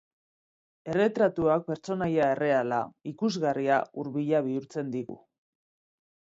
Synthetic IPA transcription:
e̞re̞t̪ɾat̪uak̚pe̞ɾt͡so̞najae̞re̞ala̰ikuzɣariauɾβiʎaβiuɾt͡se̞nd̪iɣṵ

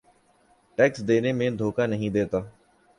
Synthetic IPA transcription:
ʈɛːksd̪eːnemẽːd̪ʱoːkaːnəɦĩd̪eːt̪aː

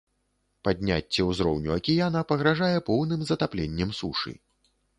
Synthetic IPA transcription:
pad̪ʲnʲa̰t͡sʲːɛwzɾɔwnʲuɐkʲijanɐpɐɣɾaʐajɛpɔwnɨmzɐt̪aplʲɛnʲːɛmsuʂɨ̰

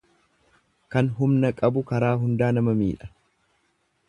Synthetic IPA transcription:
kɐnɦʊmnɐkʼɐbʊkɐɾaːɦʊnd̪aːnɐmɐmiːᶑɐ̥

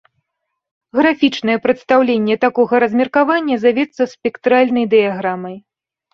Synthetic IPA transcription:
ɣɾafʲit͡ʂnɐjɛpɾɨt̪st̪awlʲenʲːɛt̪akɔɣɐɾɐzʲmʲɛrkavanʲːɐzavʲɛt̪sːɐspʲɛkt̪ɾalʲnɐjd̪ɨjaɣɾamɐj

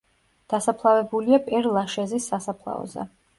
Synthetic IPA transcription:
d̪̥asapʰlˠavɛbuliapʼɛɾlˠaʃɛzisːasapʰlˠa̰ɔ̰zɛ̰

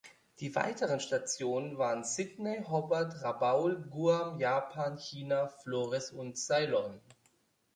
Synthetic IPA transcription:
d̥iːva̰ɪtəʁənʃtat͡sjoːnənvaːʁənsɪdneɦɔbɐɐtʁabaʊlɡuːamjaːpʰaːnçiːnafloːʁɛsʊntz̥aɪlɔn

